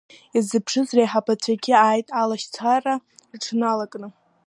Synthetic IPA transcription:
izɨpʰʂɨzrejħapʰat͡ɕʷʰaɡʲɪaːjtʼalaʃt͡sʷʰararʈ͡ʂʰnalakʼnɨ

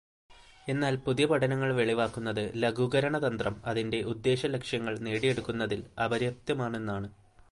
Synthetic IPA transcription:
e̞nːaːlpuðijɐpɐʈɐnɐŋːɐɭʋe̞ɭiʋaːkːunːɐðɨlɐɡʱuɡɐɾɐɳɐðɐnd̪rɐmɐðinde̞ʔud̪ːe̞ːɕɐlekʂjɐŋːɐɭneːɽije̞ɽukːunːɐðilɐbɐɾjɐp̚t̪jɐmaːɳe̞nːaːɳɨ

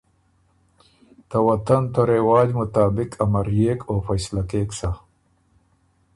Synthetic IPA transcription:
t̪ɐwɐt̪ant̪oɾewaːd͡ʑmʊt̪aːbɪkʰɐmɐɾjeːkʰoːfɐjslakeːksa

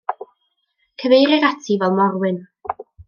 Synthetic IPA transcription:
kʰəvejɾɪɾatʰivɛlˠmɔɾwɪn

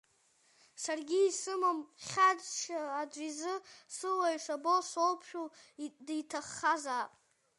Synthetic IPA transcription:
sarɡʲiːsɨmamχʲadt͡ʃʰaːd͡ʒʷizɨsɨlajʂabo̞ʃʷowpʰʃᶣudijtʰaχːazaːpʼ

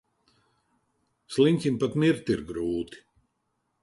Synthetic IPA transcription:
slˠiŋʲkʲimpat̪mʲiɾt̪iɾɡɾuːt̪i̥

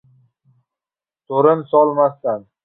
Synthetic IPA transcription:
t̪ʰoɾɪnsɒlˠmast̪an

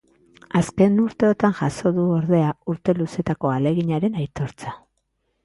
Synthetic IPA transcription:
aske̞nuɾt̪e̞ot̪anʝaso̞ðuo̞ɾðe̞auɾt̪e̞luse̞t̪ako̞ale̞ɣiɲaɾe̞najt̪o̞ɾt͡sa

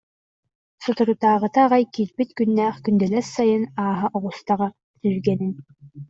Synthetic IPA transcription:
sɔt̪uɾut̪aːʁɯt̪aːʁajkiːɾbit̪kynːæːχkynd̪ɛlɛɾsajɯnaːɦɯʔɔʁust̪aʁa | t̪yzɡɛnin

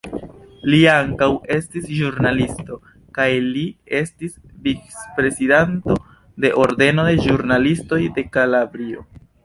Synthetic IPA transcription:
liaŋkawe̞stisʒuɾnalisto̞ | kajlie̞stisvit͡spɾe̞sidanto̞ | de̞ʔo̞ɾde̞no̞de̞ʒuɾnalisto̞jde̞kalabɾio̞̰

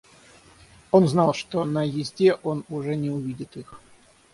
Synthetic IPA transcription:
o̞nznɑlˠʂt̪onəjɪzʲdʲeʔo̞nʊʐɛnʲɪʊvʲidʲɪt̪ix

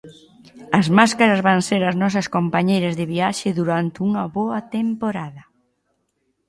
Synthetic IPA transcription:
ɐzmaskaɾɐzβaŋseɾɐznɔs̬ɐskompaɲejɾɐzðɪβiaʃɪðuɾant̪uŋɐβoɐt̪empoɾaðɐ

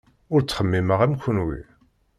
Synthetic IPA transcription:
ʊɾt͡sːχəmːiməʁæmçənwḭ

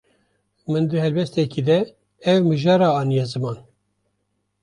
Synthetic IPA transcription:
mɨnd̪ɨhɛlbɛst̪ɛkid̪ɛ | ɛvmɨʒɑːɾɑːɑːnijɛzɨmɑːn

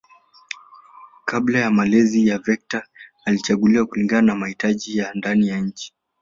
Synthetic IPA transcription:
kablajamalɛzijavɛk̚taː | lit͡ʃaɡuliwakuliŋɡananamahitaʄijandanijaɲ̩t͡ʃi̥

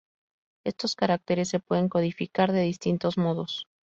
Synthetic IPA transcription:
e̞st̪o̞skaɾak̚t̪e̞ɾe̞s̬ːe̞pwe̞ðe̞ŋko̞ðifikaɾðe̞ðist̪int̪o̞zmo̞ðo̞s

